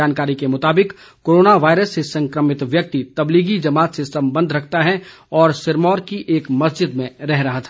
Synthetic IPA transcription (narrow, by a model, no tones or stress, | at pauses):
aːnkaːɾikemʊt̪aːbɪk | koːɾoːnaʋaːjɪɾəsːesɐ̃ŋkɾəmɪt̪ʋjɐk̚t̪it̪ɐbliːɡid͡ʒɐmaːt̪sesɐ̃mbə̃nd̪ʱɾɐkʰt̪aɦɛ | ɔːɾsɪɾmɔːɾkiʔeːkmɐsd͡ʒɪd̪mẽɾɛɦɾɐɦat̪ʰa